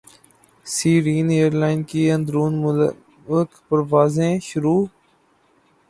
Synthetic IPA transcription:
siːɾiːneːəɾlaːɪnkiːə̃nd̪ɾuːn | əkpəɾʋaːzẽːʃʊɾuː

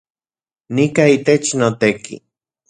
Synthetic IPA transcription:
nikait̪et͡ʃnot̪ekʰḭ

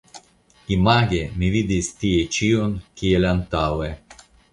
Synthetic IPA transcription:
imaɡemivid̪ist̪iet͡ʃiunk̟ʰielant̪awe

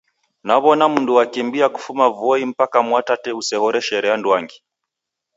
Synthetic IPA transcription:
naβɔnamunduwakimbiaku̥fumavɔim̩pakamwatatɛusɛhɔɾɛʃɛɾɛandwaŋɡi

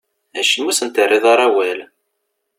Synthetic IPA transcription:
æʃənːusənt̪ərːiðˤɑɾˤæwæl

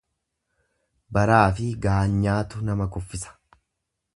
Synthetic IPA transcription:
bɐɾaːfɪɡaːɲːaːt̪ʊnɐmɐkʊfːɪsɐ̥

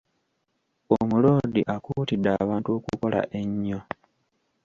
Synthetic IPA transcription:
omulo̞ːdiʔakuːtidaβaːntuo̞ːkuko̞la̰ʔeɲːo

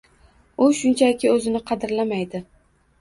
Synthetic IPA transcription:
ʊʃʊnt͡ʃʰakʲʰɪɵzɪnɪqʰɑd̪ɪɾlamajd̪ɪ

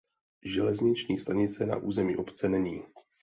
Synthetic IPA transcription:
ʒɛlɛzɲɪt͡ʃɲiːst̪aɲɪt͡sɛna̰ʔuːzɛmḭːʔo̞pt͡sɛnɛɲiː

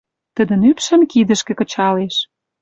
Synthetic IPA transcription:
t̪ə̆d̪ə̆nypʃə̆mkid̪ə̆ʃkĕkɤ̆t͡ɕɑleʃ

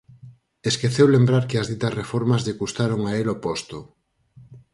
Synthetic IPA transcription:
eskeθewlembɾaɾkɪɐzðit̪ɐsrefɔɾmɐzðekust̪aɾoŋaelopost̪o

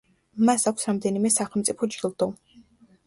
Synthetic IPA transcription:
masakʷʰsɾamd̪ɛnimɛsaχɛlˠmt̪sʼipʰɔd͡ʒɡilˠd̪̥ɔ

